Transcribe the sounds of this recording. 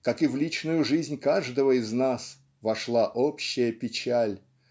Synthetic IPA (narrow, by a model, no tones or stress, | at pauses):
kakɨvlʲit͡ɕnʊjʊʐɨzʲnʲkaʐd̪əvəɪznas | vɐʂlˠaʔopɕːɪjəpʲɪt͡ɕalʲ